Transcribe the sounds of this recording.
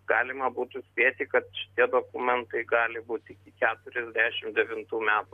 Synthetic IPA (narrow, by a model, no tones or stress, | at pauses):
ɡ̥ɑːlʲɪmɐbuːt̪ʊsʲpʲiɛt̪ʲɪkɐt̪ʃʲɪ̥t̪ʲiɛd̪oːkʊmʲɛnt̪ɐɪɡɑːlʲɪbuːt̪ʲɪkʲɪkʲæːt̪ʊɾʲɛzʲd̪ʲæːʃʲɪmd̪ʲɛʋʲɪnt̪uːmʲæːt̪ʊ